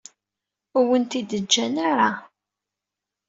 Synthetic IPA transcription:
ʊwənt̪id̪əd͡ʒːænaɾa

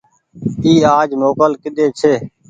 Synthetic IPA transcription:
iːaːd͡ʒmoːkəlkɪɗeːt͡ʃʰeː

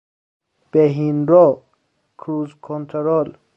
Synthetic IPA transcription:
b̥eɦinɾɔ | kʰɾuzkʰɔnt̪ʰeɾɔl

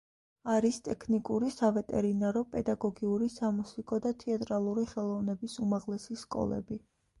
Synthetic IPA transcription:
aɾist̪ʼɛkʰnikʼuɾisavɛt̪ʼɛɾinaɾɔpʼɛd̪aɡɔɡiuɾisamusikʼɔd̪at̪ʰɛat̪ʼɾalˠuɾiχɛlˠɔvnɛbisumaʁlɛsiskʼɔ̰lˠɛ̰bi

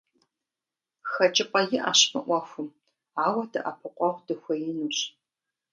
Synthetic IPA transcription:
xɐt͡ʃʼɪpʼɐjɪʔa̰ːɕmɨ̰ʔʷɔxʷʊm | aːwɐdɐʔɐpʰɨqʷʼɔʁʷdɨxʷɐjɪnuːɕ

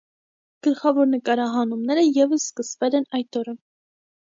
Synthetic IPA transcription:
ɡ̥əlχɑvɔɾnəkɑɾɑɦɑnumnɛɾəjɛvəsːkəsvɛlɛnɑjt̪ɔɾə

